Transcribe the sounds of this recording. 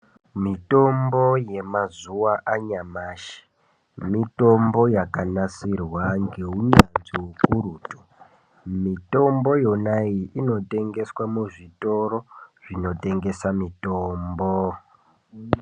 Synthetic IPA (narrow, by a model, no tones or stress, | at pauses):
mito̞mbo̞je̞mazuwaʔaɲamaːʃi̥ | mito̞mbo̞jakanasirwaŋɡeɦuɲanzikuruːtu̥ | mito̞mbo̞jo̞naiʔino̞te̞ŋɡe̞swamuʐito̞ɾo̞ʐino̞te̞ŋɡe̞samitoːmbo